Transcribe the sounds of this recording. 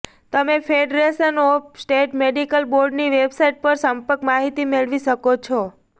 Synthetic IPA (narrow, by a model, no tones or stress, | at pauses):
t̪əmefʰeɖɾeʃənopsʈeʈmeɖikəlboɾɖniʋebsaiʈ̚pəɾsəmpəkmaɦit̪imeɭʋiʃəkot͡ʃʰo